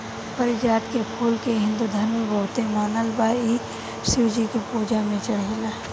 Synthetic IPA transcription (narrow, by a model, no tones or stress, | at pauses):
pəɾɪd͡ʒaːt̪kepʰuːlkeɦɪ̃nd̪ud̪ʱəɾmẽbəɦʊt̪emaːnəlbaːi | sɪwd͡ʒikepuːd͡ʒamẽt͡ʃəɽ̤ela